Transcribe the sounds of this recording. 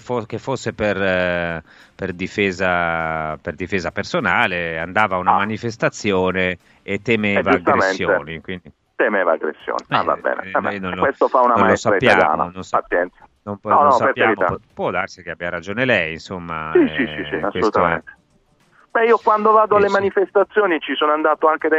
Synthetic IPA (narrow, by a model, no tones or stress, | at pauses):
fokefːosːeper | perd̪ifɛːzaperd̪ifɛːzapersonaːleand̪aːvaunamanifest̪at̪sːjɔːneː | t̪ːemɛvad͡ʒusɡt̪ːaemsenːjoeːnikwind̪i | t̪emeːva̰a̰ɡɾḛsːjo̰ːniɛa̰va̰bɛ̰ːnḛaɛnonlwest̪ofaunamalosaɾaipːj̪aːja̰ːmnanonsat̪sːjɛnt̪sḁnompnɔnɔsapeɾveɾima̰ɔpwɔd̪arsikeabiaɾad͡ʒoːnelɛjinsomːa̰siisisḭaseːolut̪amḛnt̪e̥ | b̥ɛiːokwand̪ovaːd̪oalːemanifest̪at̪sːjoːnit͡ʃisoːnoand̪aːt̪oaŋked̪a